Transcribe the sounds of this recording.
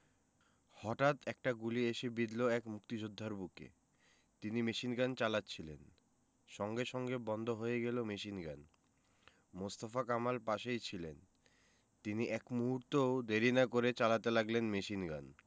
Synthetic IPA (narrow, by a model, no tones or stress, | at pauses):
hɔʈat̪ʰɛk̚ʈaɡulieʃebid̪loɛkmukt̪id͡ʑod̪ʱːaɾbukḛ | t̪inimeʃinɡant͡ɕalatːt͡ɕʰilen | ʃɔŋɡeʃɔŋɡebɔnd̪ʱoɦojeɡelomeʃinɡan | most̪afakamalpaʃejt͡ɕʰilen | t̪iniʔɛkmuɦuɾt̪ood̪eɾinakoɾet͡ɕalat̪elaɡlenmeʃinɡa̰n